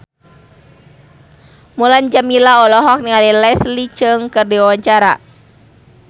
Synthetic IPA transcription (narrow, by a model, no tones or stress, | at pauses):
muland͡ʒamilaɔlɔɦɔk̚niŋalilɛslit͡ʃɨŋkɨrdiwawaɲt͡ʃaɾa̰